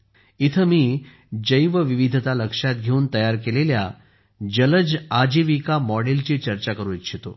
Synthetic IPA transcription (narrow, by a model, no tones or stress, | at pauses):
it̪ʰəmiː | d͡ʑəjʋəʋiʋid̪ʱət̪aləkʂat̪̚ɡʱeuːnt̪əjaɾkelelja | d͡ʑələd͡zad͡ʑiʋikamɔɽelt͡ɕet͡ɕəɾt͡ɕakəɾuːit̪ɕʰet̪o